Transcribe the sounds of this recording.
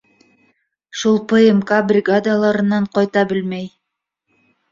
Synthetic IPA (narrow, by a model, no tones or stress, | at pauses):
ʃulˠpeemkabrʲɪɡad̪alˠɑɾɯnɑɴqojt̪ɑbɪlmej